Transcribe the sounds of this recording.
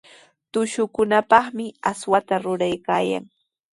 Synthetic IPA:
t̪ʊʃʊkʊnapɑχmɪaswat̪aɾʊɾajkaːja̰ŋ

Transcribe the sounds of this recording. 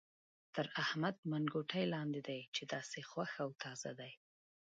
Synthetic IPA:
t̪əɾahmad̪̚manɡoʈʰajlɑnd̪ed̪ajt͡ʃed̪ɑsexwaxawt̪ʰɑz̥a̰d̪aj

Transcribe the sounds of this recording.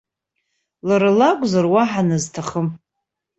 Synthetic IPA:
laɾalakʷʼzarwaħanɨztʰaχəm

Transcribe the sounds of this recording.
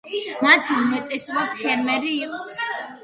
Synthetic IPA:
mat̪ʰimɛt̪ʼɛsvapʰɛɾmɛɾiːqʼɔ

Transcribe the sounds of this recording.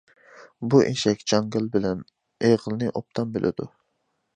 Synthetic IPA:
buʔḛʃɛkʲd͡ʒɑŋɡʲɪlˠbɪlɛn | eʁəlˠnɨʔop̚t̪ʰɑmbelʔɪ̰d̪u

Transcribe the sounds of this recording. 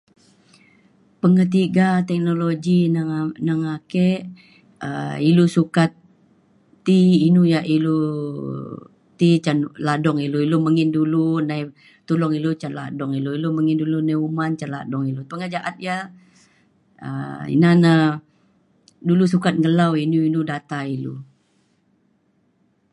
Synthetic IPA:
pəŋət̪̬iɡat̪ɛk̚noloɡinaŋakɛʔ | ə̰ilusukat̪̚ː | iinujaʔilu | t̪it͡ʃanladɔŋiluiluməŋɪndulunaj | t̪ulɔŋilut͡ʃanla̰dɔŋiluiloməŋɪndulunajumant͡ʃanla̰dɔŋilupəŋəd͡ʒaʔat̪̚ja | ə̰ḭnana | dulus̬ukat̪̚ŋəlawinuinudat̪ailṵ

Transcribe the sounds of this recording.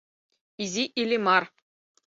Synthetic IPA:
izʲiʔilʲimɑr

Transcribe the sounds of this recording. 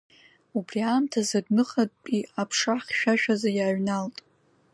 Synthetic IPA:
ubriaːmtʰazadnɨχatʼpʼiapʰʂaχʲʃᶣaʃᶣazajaːɥnaltʼ

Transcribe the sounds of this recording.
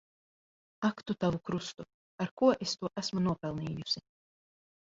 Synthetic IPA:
akt̪ut̪avukɾust̪u | aɾkuɔʔest̪uɔʔæsmunuɔpɛlˠniːjusʲi

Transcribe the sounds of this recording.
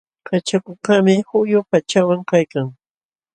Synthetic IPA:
kat͡ʃakʊkamɪhʊjʊpat͡ʃawaŋkajkaŋ

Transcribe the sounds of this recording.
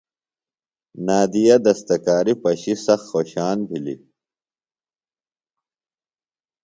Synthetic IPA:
naːd̪ijɐd̪ɐst̪ɐkaːɾipɐɕisɐxxoːɕaːnbʱilḭ

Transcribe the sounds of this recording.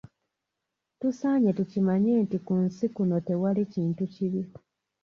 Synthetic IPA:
tusaːɲetucimaɲe̞ːntikunsikuno̞te̞waliciːntuciβi

